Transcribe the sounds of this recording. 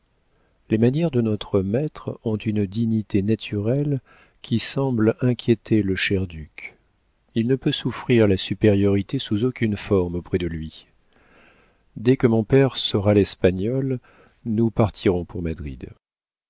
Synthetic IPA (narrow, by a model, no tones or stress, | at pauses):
lemanjɛʁd̪ənɔt̪χəmɛt̪χɔ̃t̪ynd̪iɲit̪enat̪ʰyʁɛl | kʲisɑ̃blɛ̃kʲjet̪ʰeləʃɛʁd̪yk | ilnəpøsufχiʁlasypeʁjɔʁit̪esuzokʲynfɔʁmopχɛd̪əlɥi | d̪ɛkəmɔ̃pɛʁsəʁalɛspaɲɔl | nupaʁt̪ʰiʁɔ̃pʰuʁmad̪ʁḭd̪